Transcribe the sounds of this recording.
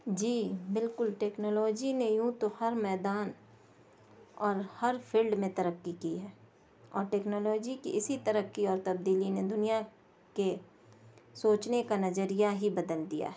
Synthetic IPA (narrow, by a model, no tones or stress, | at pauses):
d͡ʒiːbɪlkʊlʈeːknoːlɔːd͡ʒinejũːt̪ohɐɾmɛːd̪aːn | ɔːɾhɐɾpʰiːlɖmẽt̪ɐɾəkːikiɦɛː | ɔːɾʈeːknɔːlɔːd͡ʒikiʔɪsit̪ɐɾəkːiɔːɾt̪ɐb̚d̪iːlined̪ʊnija | ke | soːt͡ʃnekanɐzəɾijaɦibɐd̪əld̪ija̰ɦɛː